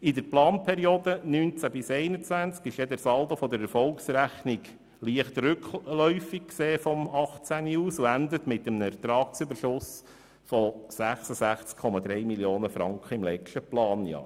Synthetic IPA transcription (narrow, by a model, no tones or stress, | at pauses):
ɪd̪əɾplɑːnpʰɛɾioːd̪ənyːnt͡sæbɪsɛɪnət͡sʋænt͡skɪʃjɛd̪æɾsɑldofɔd̪əɾɛɾfɔlksɾæχniɡ | liəχt̪rʏklœʏfik̚kseːfɔmɑχt͡sæniuːsuænd̪ət̪mɪt̪ːəmnəɛɾt̪ɾɑːk̚sʏbəɾʃʊs | fɔsæχsəsæχt͡skʰːɔmɑd̪ɾɛjmiljoːnəfɾɑŋkχəɪmlɛt͡ʃtəplɑːnjɑ̰ːɾ